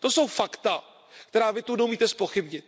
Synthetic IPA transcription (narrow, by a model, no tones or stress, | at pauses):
t̪o̞sowfakt̪a | k̚t̪ɛɾaːvɪt̪unɛumiːt̪ɛspo̞xɪbɲɪt̪̚